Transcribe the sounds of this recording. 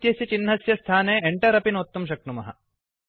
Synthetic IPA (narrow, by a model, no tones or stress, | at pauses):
t̪jɐsjɐt͡ʃinːɐsjɐst̪ʰaːneːeɳʈɐɾɐpinot̪ːɐmʃ̬ɐk̚numɐɦɐ̰